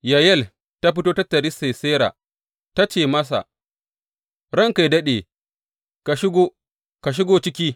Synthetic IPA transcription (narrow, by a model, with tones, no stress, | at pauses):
ja˨jɛ˦˨l | ta˦ɸɪ˦toː˦tɐ˦tːɐ˨ɾɪ˦se˨seː˦ɾa̰ː˨ | ta˦t͡ʃeː˨mɐ˦s̬a̰˨ | ɽɐ˦˨ŋka˨jdɐ˦ɗeː˨ | ka˨ʃɪ˦ɡoː˦ | ka˨ʃ̬ɪ˦ɡoː˦t͡ʃɪ˦kʲiː˦